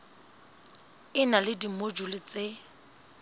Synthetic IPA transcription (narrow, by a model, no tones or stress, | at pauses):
ɪnalɪdimod͡ʒulɪt͡se